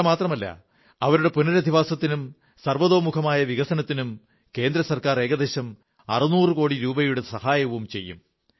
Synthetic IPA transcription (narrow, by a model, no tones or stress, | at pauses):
maːt̪rɐmɐlːɐ̰ | ɐʋɐɾuɽe̞punɐɾɐd̪ʱiʋaːsɐt̪ːinum | sɐrʋɐðo̞ːmukʰɐmaːjɐʋiɣɐsɐnɐt̪ːinum | ke̞ːnd̪ɾɐsɐrkaːre̞ːɡɐd̪e̞ːɕɐm | ɐ̰rɨnuːrɨko̞ːɽiɾuːbɐjuɽesɐhaːjɐʋumt͡ɕe̞̰jːṵm